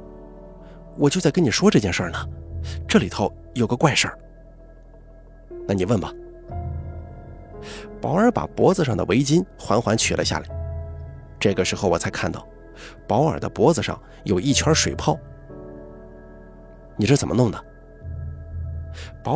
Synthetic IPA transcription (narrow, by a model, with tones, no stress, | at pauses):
wɔ˨˩t͡ɕjo˥˧ʊt͡sa˥ɪkə˥ni˨˩ʂwɔ˥ʈ͡ʂɤ˥˧t͡ɕjɛ˥˧nʂə˞˥˩nə˩ʈ͡ʂɤ˥˩li˨˩t̪ʰo˧˥ʊ | jo˨˩ɡə˧˦kwa˥˧ɪʂə̰˞˥˩ | na˥˩ni˨˩wə˥˩nbɐ˩ | pɑ˧˥ʊə˞˧˥pa̰˨˩pwɔ˧˥d͡z̩˧ʂɑ˥˩ŋd̪ə̰˨˩we˧˥ɪt͡ɕi˥nxwa˧˥nxwa˧˥nt͡ɕʰy̰˨˩lʔə̰˦ɕja̰˥˩li˨˩˦ | ʈ͡ʂɤ˥˩ɡə˩ʂɻ̩˧˥xo˥˧ʊwɔ˨˩t͡sʰɪkʰa˥˧nt̪ɑ̰˥˩ʊ | pɑ˧˥ʊə̰˞˨˩d̪ə̰˦pwɔ˧˥d͡z̩˧ʂɑ̰˥˩ŋ | jo˨˩ʊi˥˩t͡ɕʰwɐ˧˥ʂwe˨˩ɪpʰɑ˥˩ʊ | ni˨˩ʂo˥˩t͡sə˨˩mə˦nʊ˥˩ŋnə˩ | pɑ˧˥